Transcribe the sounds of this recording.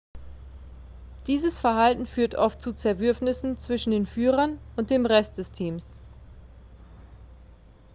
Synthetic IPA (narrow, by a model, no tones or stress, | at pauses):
d̥iːzəsfɛɐhaltn̩fyːɐtʔɔft̚t͡sut͡sɛɐvʏɐfnɪsn̩t͡sv̥ɪʃn̩deːnfyːʁɐnʊnt̚d̥eːmʁɛst̚d̥ɛstʰiːms